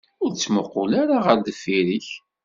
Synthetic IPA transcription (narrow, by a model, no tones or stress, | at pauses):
ʊɾt͡sːməqːʊlaɾaʁəɾd̪əfːiɾiç